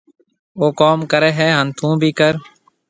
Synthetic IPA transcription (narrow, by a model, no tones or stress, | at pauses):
oːkoːmkəɾɛːɦɛːɦənt̪ʰũːbʱiːkəɾ